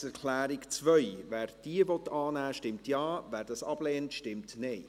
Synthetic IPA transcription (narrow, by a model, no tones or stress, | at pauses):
ɛɾkʰlæːɾɪkt͡svœjvæːɾd̥iːəvɔtɑːnæːʃtɪmtjɑːvæːɾdɑsɑb̥leːntʃtɪmtneː